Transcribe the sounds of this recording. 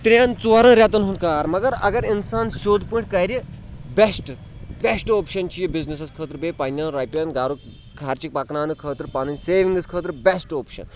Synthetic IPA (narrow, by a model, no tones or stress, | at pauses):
t̪ɾʲaːnt͡suaːɾɐ̃ːɾʲjat̪̬ɐnɦũnd̪kaːɾmɐɡɐɾɐ̰ɡɐɾinsaːnsoːd̪pɨ̃ɳʈkaːjɾʲibesʈ | bʲesʈoːpʃɐnt͡ʃʰijibiznisɐskʰəːt̪ɾbeːpanʲjɐnɾaːjpʲɐnɡaːɾuk | kʰaːɾt͡ʃik̚pɐknaːnɨkʰəːt̪ɾpaːnɐnʲseːʋiŋɡɐskʰəːt̪ɾbesʈoːpʃɐ̰n